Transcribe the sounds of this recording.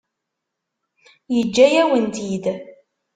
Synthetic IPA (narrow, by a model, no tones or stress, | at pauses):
jəd͡ʒːæjæwənt̪id̪